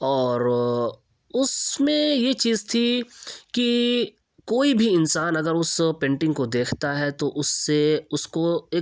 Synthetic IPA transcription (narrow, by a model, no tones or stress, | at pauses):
ɔːɾ | ʊsmẽjet͡ʃiːzt̪ʰiki | koːibʱiɪnsaːnɐɡəɾʊspẽːɳʈɪ̃ŋɡkod̪eːkʰt̪aɦɛt̪oʔʊsːeʊskoeː